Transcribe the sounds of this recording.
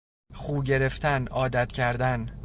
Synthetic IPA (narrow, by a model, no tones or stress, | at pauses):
χuːɟe̞ɾe̞ft̪ʰænɒːd̪æt̪ʰcʰæɾd̪æn